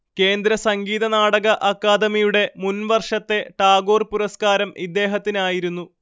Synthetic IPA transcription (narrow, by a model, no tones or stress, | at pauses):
ke̞ːnd̪ɾɐsɐŋɡiːðɐnaːɽɐɣɐʔɐkːaːd̪ɐmijuɽe̞munʋɐrʂɐt̪ːe̞ʈaːɡo̞ːrpuɾɐskaːɾɐmid̪ːe̞ːɦɐt̪ːinaːjiɾunːu